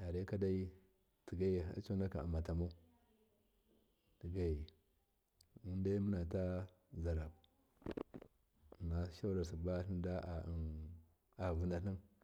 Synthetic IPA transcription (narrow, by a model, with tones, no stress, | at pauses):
a˨ɾa˦ka˦da˦i˦ | ti˨ɡa˦ḭ˨˦t͡ʃo˦na˦ka˨a˨ma˨ta˨mo˦ | ti˨ɡa˦i˨ | u˦n˦da˦mu˦na˨ta˦ | za˨ɾa˨b | na˨˦ʃa˦la˨s̬i˨ba˦ɬi˦n˦da˦˨ | a˨vu˨˦na˨ɬi˦n